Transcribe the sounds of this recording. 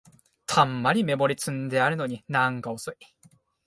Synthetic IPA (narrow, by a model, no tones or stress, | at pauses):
t̪ʰamːaɾʲime̞mo̞ɾʲit͡sɨ̃nd̪e̞aɾɯ̟no̞ɲ̟inãŋkaosoi